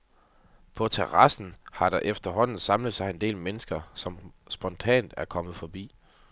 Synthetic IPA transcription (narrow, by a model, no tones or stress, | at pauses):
pʰɒ̽t͡sʰeʁɑ̈sn̩hɑ̈ɾ̥ɑ̈ʔefd̥ɐɦɒ̽n̰n̩sɑ̈mləð̩ˠsɑ̈ɪe̝nd̥e̝̰ːlmenəsɡ̥ɐsɒ̽msb̥ɒ̽nt͡sʰɛ̰ːnd̥æɐkʰɒ̽mð̩ˠfɒ̽b̥ḭː